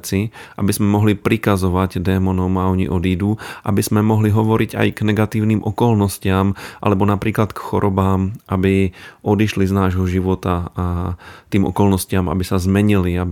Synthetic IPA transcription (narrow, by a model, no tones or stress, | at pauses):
t͡siʔa̰bizmɛmɔɦlipɾikazɔʋaɟd̪ɛmɔnɔmaɔɲḭʔɔd̪iːd̪uʔa̰bizmɛmɔɦliɦɔʋɔɾiɟa̰jɡnɛɡat̪iːʊniːmʔɔkɔlnɔscɪamʔa̰lɛbɔnapɾiːklat̪kxɔɾɔbaːmʔabiɔd̪iʃliznaːʒɦɔʒiʋɔt̪aat̪iːmɔ̰kɔlnɔscɪama̰bisazmɛɲiliab